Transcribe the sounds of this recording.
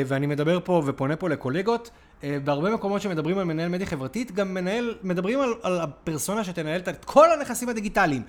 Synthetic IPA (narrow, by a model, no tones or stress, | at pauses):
veanime̞d̪abe̞ʁpo̞vepo̞ne̞po̞le̞ko̞le̞ɡo̞t | beaʁbe̞me̞ko̞mo̞t̪ʃeme̞d̪ɐbʁimalme̞naje̞lme̞d̪jiχevʁatit̪ɡamːe̞nae̞lme̞d̪abʁimalalapeʁso̞naʃet̪e̞naje̞ltatkʰo̞lane̞χasimhad̪iɡitalim